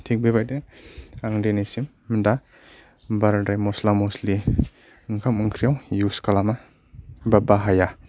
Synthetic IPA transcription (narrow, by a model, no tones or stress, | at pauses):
tʰik̚bebajdeaŋdenesimːda | baɾadajmɔslamosli | ɯŋkʰamɯŋkʰɾijawjuskalama | babaɦaja